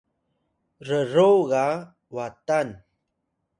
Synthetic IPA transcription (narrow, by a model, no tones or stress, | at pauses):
rəruɣa | watan